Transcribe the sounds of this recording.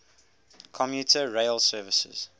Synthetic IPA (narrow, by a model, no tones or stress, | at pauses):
kʰɔmjutʰəɹeɪlˠsɜːvɪsə̰z̥